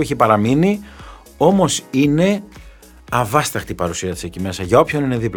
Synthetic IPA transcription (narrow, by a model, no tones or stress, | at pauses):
eçipɐɾɐmini | o̞mo̞sine̞ | ɐvɐst̪ɐxt̪ipɐɾusiɐt̪isecime̞sɐʝɐo̞pçonine̞ðipl